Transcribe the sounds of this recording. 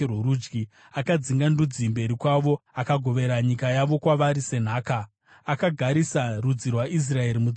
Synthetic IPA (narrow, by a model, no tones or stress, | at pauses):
ruɾud͡ʒɡi | akad͡ziŋɡandud͡zimbe̞ɾikwaʋo̞akaɡʱo̞ʋe̞ɾaɲikajaʋo̞kwaʋaɾise̞n̤aːka | akaɡʱaɾisarud͡zirwaʔis̬rae̞ɾimud͡z